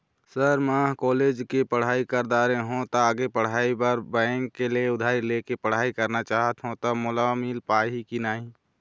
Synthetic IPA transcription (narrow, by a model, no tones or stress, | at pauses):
səɾmakoːleːd͡ʒkepəɽ̤aːikəɾd̪aːɾẽɦũt̪oaːɡepəɽ̤aːibəɾbɛ̃ːŋkːelieʊd̪ʱaːɾileːkepəɽ̤aːikəɾnat͡ʃaːɦət̪ɦũt̪ɔmʊlamilpaːɦikinaːɦĩ